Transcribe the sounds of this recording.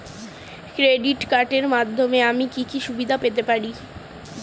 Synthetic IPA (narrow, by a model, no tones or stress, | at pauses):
kɾeɖiʈkaɾʈeɾmad̪ʱːomeamikikiʃubid̪ʱapet̪epaɾi